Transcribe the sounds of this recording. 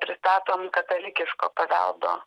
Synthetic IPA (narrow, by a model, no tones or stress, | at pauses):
pʲɾʲɪst̪ɑːt̪oːmkɐt̪ɐlʲɪkʲɪʃko̰ːpɐʋʲɛ̰lˠd̪o̰ː